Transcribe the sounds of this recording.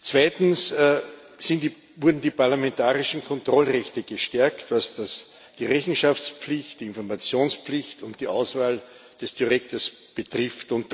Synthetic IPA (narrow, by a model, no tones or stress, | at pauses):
t͡sv̥aɪtn̩s | sɪnt | vʊɐdn̩diːpaɐlamɛntaːʁɪʃn̩kʰɔntʁɔlʁɛçtəɡ̥əʃtɛɐktvasd̥as | d̥iːʁɛçn̩ʃaft͡spp͡flɪçtd̥iɪ̃nfɔɐmat͡sjoːnspflɪçtʊnt̚d̥iːʔaʊsvaːl | d̥ɛsd̥iʁɛk̚təs | b̥ətʁɪftʊ̃nt